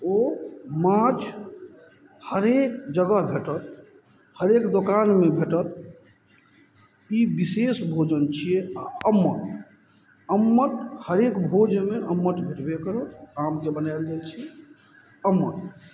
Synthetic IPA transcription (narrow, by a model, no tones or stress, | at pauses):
omãt͡ʃʰ | həɾekd͡ʒəɡəɦbʱeʈət̪ | həɾekd̪okanmebʱeʈət̪̚ | ibisesbʱod͡ʒənt͡ʃʰijeaəmːəʈ | əmːəʈ̪həɾekbʱod͡ʒmeʔəmːəʈ̪bʱeʈbekəɾoãmd͡ʒebənajld͡ʒat͡ʃʰi | əmːəʈ